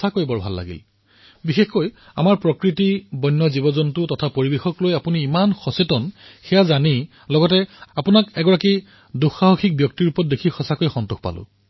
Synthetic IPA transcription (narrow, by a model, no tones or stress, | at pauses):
akojbɔɹbʱa̰lːa̰ɡḭl | bixexkoj | a̰maɹpɹɔkɹitibɔjnːɔzibɔzɔntʊtɔtʰapoɹibexɔklojapuniːmanxɔsetɔnxɛjazani | lɔɡɔtɛapʊnakɛɡɔɹaki | duxaɦɔxʰik̚bjɔk̚tiɹupɔt̚dekʰixɔsakojxɔntuxpa̰lʊ̰